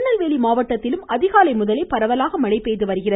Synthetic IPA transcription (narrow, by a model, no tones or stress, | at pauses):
nɐlʋeːɭimaːʋɐʈːɐt̪ːɪlɯmɐðɪɣaːlɐɪmʊðɐleɪpɐɾɐʋɐlaːɣɐmɐɭɐɪpːeːðɯʋɐɾɯɣɪrɐ